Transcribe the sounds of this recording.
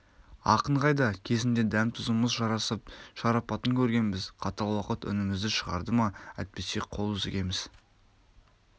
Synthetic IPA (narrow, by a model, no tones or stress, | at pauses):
ɑ̰qəɴʁɑjd̪ɑkʲʰe̞zɪnd̪e̞d̪æmt̪ʰʊzuməzʒɑɾɑsəp̚ʃɑɾɑpɑt̪əŋkʲʰɵɾɡʲe̞nbɪzqʰɑt̪ɑlˠwɑqət̪ʏ̰nɪmɪzd̪ɪʃəʁɑ̰ɾd̪əmɑæ̰t̪̚pese̞qʰo̞lˠʏzɪɡʲe̞mɪz̥